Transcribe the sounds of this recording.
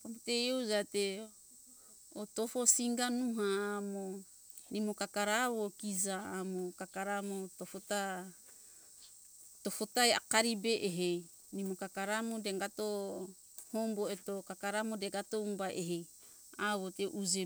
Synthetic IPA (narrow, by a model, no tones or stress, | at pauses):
kametejozate | oto̞fo̞siŋɡanuɦaːmo | nimokakaɾaβo̞kizaamokakaɾamotofota | tofotaja̰kaɾibeʔeɦej | nimokakaɾamodeɡato | homboetokakaɾamodeɡatoumbaʔeɦej | aβoteʔud͡ʒe